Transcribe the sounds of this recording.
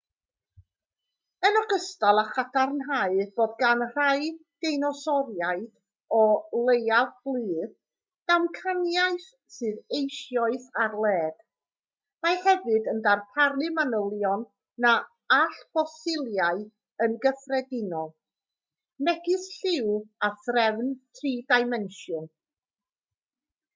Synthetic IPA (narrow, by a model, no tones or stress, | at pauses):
ənɔɡəstalˠaχadʰarnɦaɨb̥oːdɡanr̥ajd̥ejnɔsɔɾjaɨd̥ | ɔlˠejavb̥lˠɨːð | d̥amkʰanjaɨθ | sɨːðejʃjɔɨθarlˠɛːd̥ | majhɛvɨdəndarpʰarlɨmanəlˠjɔnː | a | aɬpɔsɪlˠjaɨ | ənɡəfrɛdɪnɔlˠ | mɛɡɨsɬɪwaθrɛvntʰriːdajmɛnʃjɔn